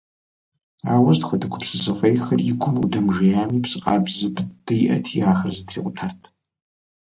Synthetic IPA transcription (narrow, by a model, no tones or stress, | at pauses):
a̰ːwɐztxʷɐdɨkʷʰʊpsɨzɐfʷʼɐjxɐrjɪɡʷʰʊmwdɐmʒɐjaːmiːpsɨqʼaːbzɨpd̥ɨjʔɐ̰tʰiaːxɐrzɨtʰrḭːqʷʼʊtʰartʰ